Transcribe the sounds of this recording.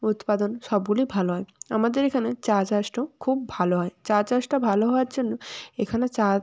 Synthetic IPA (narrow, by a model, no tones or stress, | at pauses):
ut̪pad̪onʃɔbɡulibʱaloɦɔea̰mad̪eɾekʰanet͡ɕat͡ɕasʈokʰubːʱaloɦɔet͡ɕat͡ɕasʈabʱaloɦɔwaɾd͡ʑonːoekʰanet͡ɕa